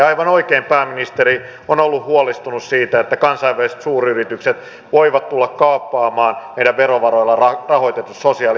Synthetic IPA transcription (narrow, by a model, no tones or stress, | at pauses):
ɑijʋɑnoikeimpæːminist̪eɾi | onolːuhhuolist̪unussiːt̪æet̪ːækɑnsɑiʋʋælise̥t̪suːryrit̪ykset̪ | ʋoiʋɑt̪t̪ulːɑkkɑːpːɑːmɑːnmeidæʋʋeɾoʋɑroilːɑɑrɑhoit̪et̪ussosiɑːl